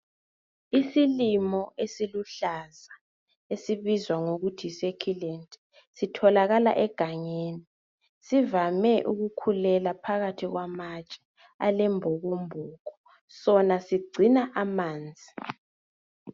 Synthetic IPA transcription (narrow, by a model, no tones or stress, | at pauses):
isilimɔʔesiluɬaza | esiβizwaŋoɣutʰisekʰilɛntʼ | sitʰɔlaɣala̰ʔɛɡ̥ʱaɲeni | sivamɛʔṵɣukʰulɛlapʰaɣatʰiɣwamat͡ʃʼɛ̥ | alɛmbʱɔɣombʱuːɣɔ | sɔnasiɡ͡ǀʱinaʔamaːnd͡zʱi